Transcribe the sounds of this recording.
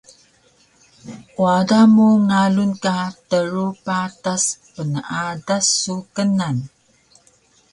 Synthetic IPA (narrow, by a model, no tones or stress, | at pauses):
ʔwadamuŋalunkatəɾupataspənəʔadasːukənan